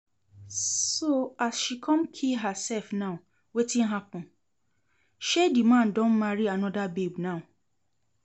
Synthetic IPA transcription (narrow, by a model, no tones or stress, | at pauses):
soasʃikʰɔ̃mkʰilɦasɛlfnã | wetĩn̩ɦapɔ̃ | ʃedimãndõnmaɾianɔ̃dabebnãũ